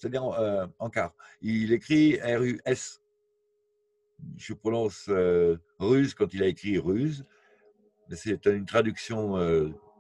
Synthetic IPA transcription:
se̥t̪ad̪iʁøɑ̃kaʁilekχiɛʁyʔɛs | ʒəpχɔnɔ̃sø | ʁyzkɑ̃t̪ilaekχiʁyz | mɛsɛt̪ynt̪χad̪yksjɔ̃ø

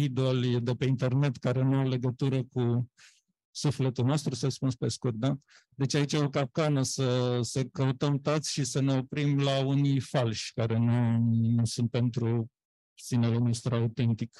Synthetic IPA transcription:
id̪old̪e̞pe̞int̪e̞rne̞t̪kaɾe̞nuale̞ɡət̪uɾəku | sufle̞t̪ulno̞st̪ɾusəspunspe̞skurt̪̚d̪a | d̪e̞t͡ʃait͡ʃaokap̚kanəsəsəkəut̪əmt̪at̪sʲʃisəne̞o̞pɾimlaunijfalʃʲkaɾe̞nunusunt̪̚pe̞nt̪ɾu | sinelenost̪ɾaut̪e̞nt̪ik

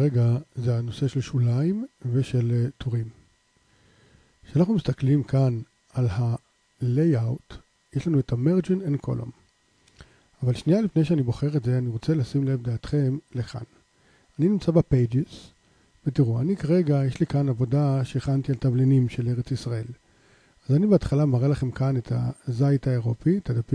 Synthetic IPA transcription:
ʁeɡazehano̞se̞ʃelʃulaimve̞ʃe̞ltʰoʁim | ʃeanaχnumist̪aklimkan | alha | lejawt | jeʃlanuetʰameʁd͡ʒinenkʰo̞̰lo̰m | avalʃnijalifne̞jʃeanibo̞χe̞ʁetze̞aniʁo̞t͡selasimle̞vd̪aːt̪χe̞mleka̰n | aninimt͡sabapejd͡ʒez | vetiʁuanikaʁe̞ɡajeʃlikanavo̞daʃeːχantialtavlinimʃe̞le̞ʁet͡sisʁae̞l | azanibeatχalamaʁelaχe̞mkanetʰa̰zajtaeʁo̞pit̪adapi

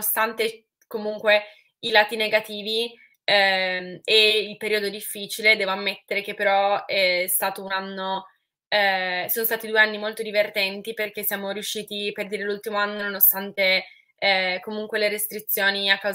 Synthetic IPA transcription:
ost̪ant̪e | komuŋkwe | ilaːt̪ineɡat̪iːvi | ɛ | eilpeɾiːod̪od̪ifːiːt͡ʃiled̪ɛːvoamːet̪ːeɾek̟epːeɾɔɛst̪aːt̪ounanːo | soːnost̪at̪id̪ueanːimolt̪od̪ivert̪ɛnt̪iperk̟esːjaːmoɾijuʃːiːt̪iperd̪iːɾelult̪imoanːononost̪ant̪e | komuŋkweleɾest̪ɾit̪sːjoːniakːaw

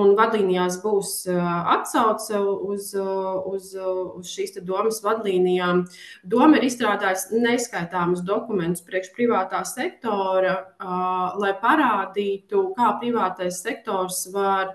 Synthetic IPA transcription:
unvad̪lˠiːnijaːs̬buːsat̪sawt̪suzuzuz̥ʃiːst̪ɛd̪uɔməsvad̪lˠiːnijaːmd̪uɔmaiɾisst̪ɾaːd̪aːjsnɛskajt̪aːmʊsd̪ɔkumɛnt̪ʊ̥spɾiɛkʃpɾivaːt̪aːsɛk̚t̪ɔːɾɐ | lˠajpaɾaːd̪iːt̪ukaːpɾivaːt̪ajsːɛk̚t̪ɔːɾsvaɾ

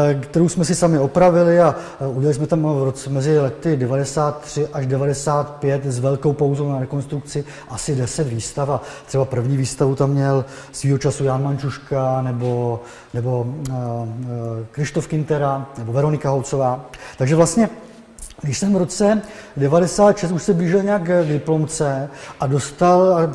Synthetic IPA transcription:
kt̪ɛɾowsmɛsɪsamɪo̞pɾavɪlɪauɟɛlalɪs̬mɛt̪amvɾot͡sɛmɛzɪlɛt̪ɪdɛvadɛsaːt̪ːr̝̥ɪʔaʒdɛvadɛsaːt̪pjɛt̪zvɛlkowpowzownaɾɛko̞nst̪ɾuk̚t͡sɪ | ʔasɪdɛsɛt̪viːst̪afat̪r̥ɛbapr̩vɲiːviːst̪avut̪amːɲɛl | sviːɦot͡ʃasujaːnmant͡ʃuʃkanɛbo̞ | nɛbo̞ | kɾɪst̪o̞fkɪnt̪ɛɾanɛbo̞vɛɾo̞nɪkaɦowt͡so̞vaːt̪aɡʒɛvlast̪ɲɛ | ɡɪʃsɛmɾo̞t͡sɛdɛvadɛsaːt̪ʃɛst̪uʃsɛbliːʒɪlɲɛakɡdɪplo̞mt͡sɛʔado̞st̪al

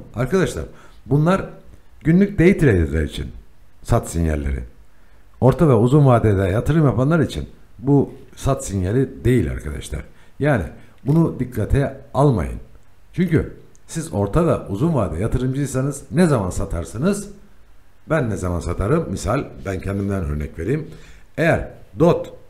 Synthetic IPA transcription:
aɾkʰad̪aʃlˠa̰ɾ | bunlˠaɾ | ɟynlʲyc̚d̪ejit̪ʰiɾejilʲɛ̰ɾḭt͡ʃʰḭn | sat̪sinjæ̰lʲːeɾɪ̰ | o̞ɾt̪ʰavɛuzunvaːd̪ɛd̪ɛjat̪ʰɯɾɯmjapanlˠaɾit͡ʃʰḭn | bu | sat̪sinjalʲid̪e̞jilʲa̰ɾkʰad̪a̰ʃlˠa̰ɾ̥ | jaːnḭ | bunud̪ikʰːat̪ʰɛalˠma̰jɯ̰n | t͡ʃʰyɲcy | sizo̞ɾt̪ʰavɛʔuzunvaːd̪ɛjat̪ʰɯɾɯmd͡ʒɯisanɯznɛzamansat̪ʰaɾsɯnɯz | bænːɛzamansat̪ʰaɾɯmːisalʲbæncʰɛnd̪imd̪ænø̞̰ɾnɛcve̞ɾijimejæɾd̪ot̪

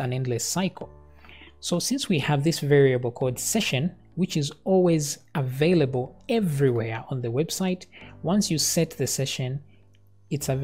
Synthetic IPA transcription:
ɨ̃nɛ̃ndˡlɨsaɪkʰl̩ˠ | soʊsɪ̃nswiəvðɪsvɛɹiɨbl̩ˠkʰɔld̥sɛʃɨ̃n | wɨt͡ʃɨzɔlˠwizəveɪlˠəbəl̩ˠɛvɹiwɛɹə̃nðɨwɛb̥saɪtwʌ̃nsjɨsɛt̪̚ðɨsɛʃɨ̃n | ɨtsɨ

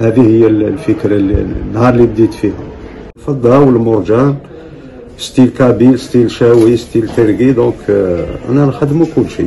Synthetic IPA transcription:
hæd̪ihəjːællfəkɾɑlːḭnːhɑɾˤlibd̪it̪fihʊ̰m | fɑd̪ˤːɑwəlmʊɾˤʒæn | st̪ilkæbilst̪ilʃæwist̪ilt̪əɾɡid̪ɔ̃kʔæ̰nænxəd̪ːmukʊlːʃḭ

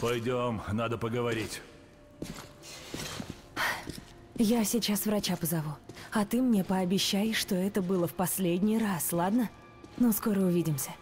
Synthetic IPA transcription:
pɐjdʲomnad̪əpəɡəvɐɾʲitʲ | jasʲɪt͡ɕasvrɐt͡ɕapəzɐvuɐt̪ɨmnʲe̞pəɐbʲɪɕːæjɪʂt̪o̞ɛt̪əbɨlˠəfpɐsʲlʲedʲnʲɪjraslˠad̪nə | nosko̞ɾəʊvʲidʲɪmsʲə

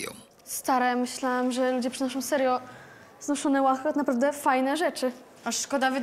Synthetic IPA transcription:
st̪aɾɛmɘɕlawamʐɛlud͡ʑɛpʂɨnɔʂ̬ɔ̃w̃sɛɾjɔ | znɔʂɔnɛwaxɛɔt̪napɾavd̪ɛfajnɛʐɛt͡ʂɘ | aʂːkɔd̪avɘ

